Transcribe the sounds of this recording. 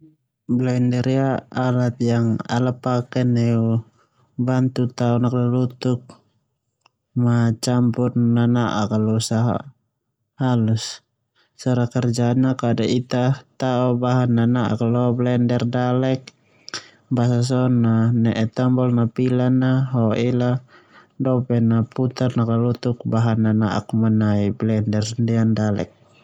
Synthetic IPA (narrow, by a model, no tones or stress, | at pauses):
blɛndɛɾjaalat̪̚jaŋa̰lapakɛnɛu | bant̪ut̪aɔnaklɔlut̪uk̚ | mat͡ʃampurːanaʔa̰kalɔusaɦa̰ | halus | sɔɾakɛrd͡ʒaːnːakadaʔit̪at̪aɔbaɦanːanaʔa̰kalɔblɛndɛrdalɛk̚ | basas̬ɔnanɛʔɛt̪ambɔlnapilanaɦɔila | dɔpɛnaput̪arnakalut̪uk̚baɦanːana̰ʔa̰kmanaiblɛndɛrndiandalɛ̰k̚